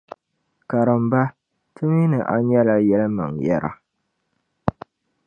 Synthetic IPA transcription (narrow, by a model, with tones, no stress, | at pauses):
ka˨ɾɨ˨mba˦ | tʰɨ˦mi˦nɨ˨ʔa˦ɲɛ˦la˦jɛ˦lɨ˦ma˨ŋjɛ˦ɾa̰˨